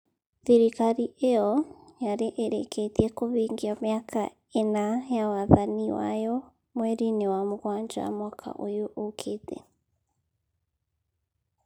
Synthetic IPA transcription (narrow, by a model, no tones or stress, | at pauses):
ðiɾikaɾiʔejɔjaɾeʔeɾeketiɛkoβiːŋɡiamjakʰa̰ | enajawaðaniwa̰jɔ | mwɛɾinewamoɣwaːɲd͡ʒa̰mwakʰa̰ʔojoʔokʰetɛ̰